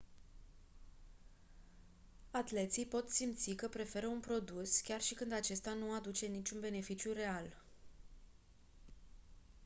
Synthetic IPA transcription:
at̪le̞t̪sijpo̞t̪simt̪sikəpɾe̞fe̞ɾəunpɾo̞d̪uskʲarʃikɨnd̪at͡ʃe̞st̪anuad̪ut͡ʃe̞nit͡ʃʲunbe̞ne̞fit͡ʃjure̞al

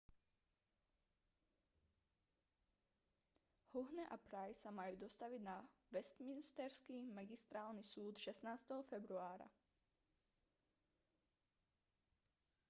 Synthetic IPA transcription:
huɦnɛʔapɾajsamajuːd̪ɔst̪aʋidnaʋɛst̪minist̪ɛɾskimaɡist̪ɾaːlnisuːt̪ʃɛsnaːst̪ɛɦɔfɛbɾuaːɾa̰

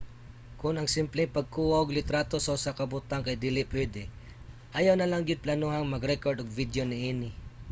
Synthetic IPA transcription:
kʊnɐŋsɪmplɛŋpɐɡ̚kuːwoɡlɪt̪ɾat̪o̞sɐʊsɐkɐbʊt̪aŋkɐjd̪ilɪpɛd̪ɪ | ʔɐjawnɐlaŋɡɪd̪̚plɐnuːɦɐŋmɐɡɾɛkoɹd̪oɡ̚vid̪jonɪʔiːnɪ

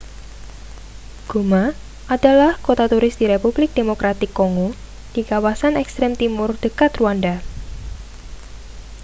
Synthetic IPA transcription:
ɡ̥oma | ʔadalahkot̪at̪uɾɪsd̪̥iɾepublɪk̚d̥emokɾat̪ɪkːoŋo | d̥ikawasanɛkst̪ɾɛmt̪imʊrd̥əkat̪ruanda

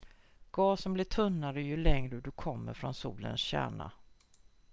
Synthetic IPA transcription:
ɡ̥ɑːsɔmblɪʈʰɵnːaɾəjɵlɛŋɾəd̪ɵkʰɔmːə̰ɾfɾɔnsuːlə̰nsɕæ̰ːɳa̰

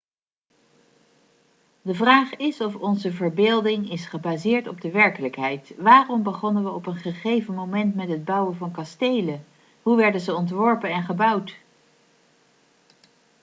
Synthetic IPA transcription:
dəvraːχɪsɔfɔnzəvəɹbɪːlˠdɪŋɪsχəbaːzɪːɹtɔb̚dəʋɛɹkələkɦɛjtʋaːrɔmbəχɔnənʋəɔpənχəχejvənmowmɛntmɛtɦəd̚bʌwəvɑnkɑstejlə | ɦuʋɛɹdənzəɔntʋɔɹpənɛnχəbʌwt

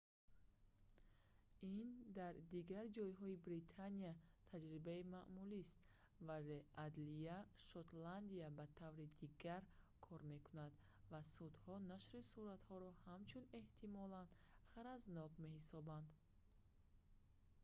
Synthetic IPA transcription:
ind̪aɾd̪iɡaɾd͡ʒɔjɦɔibɾit̪ʰaniat̪ʰad͡ʒɾibaimaʔmulist̪ | vale̞ʔad̪liaʃɔt̪land̪iabat̪ʰavɾid̪iɡaɾ | kʰɔɾme̞kunad̪ | vasud̪hɔnaʃɾisuɾat̪hɔɾɔhamt͡ʃʰune̞ht̪ʰimɔland̪χaɾaznɔkme̞hisɔband̪

